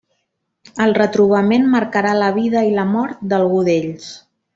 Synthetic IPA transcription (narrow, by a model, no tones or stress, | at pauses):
əlˠrət̪ɾuβ̞əmenməɾkəɾaləβiðəiləmɔɾt̪̚d̪əlˠɣuðeʎs